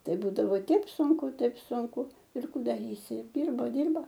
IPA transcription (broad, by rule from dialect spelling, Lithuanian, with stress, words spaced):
ˈtɐɪ ˈbuːdɐʋoː ˈtʲɛɪp ˈsʊŋkʊ ˈtɐɪp sʊŋˈkʊ ɪr ˈkuː dɐˈrʲiːsʲɪ ɪr ˈdʲɪrbɐ ˈdʲɪrbɐ